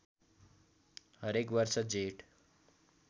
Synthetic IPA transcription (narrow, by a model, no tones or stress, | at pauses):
ɦəɾekʋʌɾsʌd͡zeʈ